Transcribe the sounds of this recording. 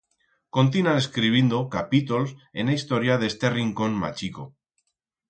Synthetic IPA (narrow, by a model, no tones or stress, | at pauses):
ko̞nt̪̬inaeskɾiβ̞jend̪okapit̪olsḛnaist̪o̞ɾjaðe̞st̪eriŋko̞nma̰t͡ʃiko̞